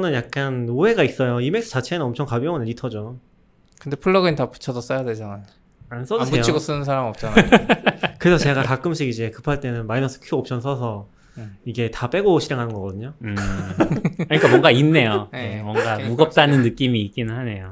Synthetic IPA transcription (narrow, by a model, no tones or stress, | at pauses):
nɯnjak̚k͈anoɦe̞ɡais͈ʌjoime̞ks͈ʰɯ̥t͡ɕʰat͡ɕʰe̞nɯnʌmt͡ɕʰʌŋkabjʌŋɯneɾitʰʌd͡ʑo | kɯndepʰuɭːʌɡɯnitapu̥t͡ɕʰʌdʌs͈ʌjaded͡ʑanan | ans͈ʌtʰuejot͡ɕʰiɡos͈ɯnɯnsʰaɾamiʌp̚t͡ɕ͈an | kɯɾe̞sʰʌt͡ɕe̞ɡakak͈ɯmɕʰiɡid͡ʑe̞kɯpʰaɭt͈e̞nɯnmainʌs͈ʰɯ̥kʰjuʌp̚t͡ɕʰʌns̬͈ʰʌsʰʌ | iɡe̞tap͈e̞ɡoɕʰiɾeŋɦanɯnŋɡʌk͈ʌdɯɲoɯ | ɯɲik͈amwʌŋɡainːe̞joemwʌŋɡamuɡʌp̚t͈anɯnːɯk͈imiːk͈inɯnɦane̞jo